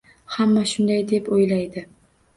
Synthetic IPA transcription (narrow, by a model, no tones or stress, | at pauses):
hamːaʃʊnd̪ajd̪e̞pojlajd̪ɪ